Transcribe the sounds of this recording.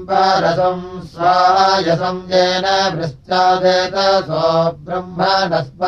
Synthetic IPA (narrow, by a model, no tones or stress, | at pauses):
paːɾɐsɐmsɾaːɭaːjɐsɐmkeːnabɾɪst̪aːd̪eːt̪asoːɡɾɐmbʱaːnɐsp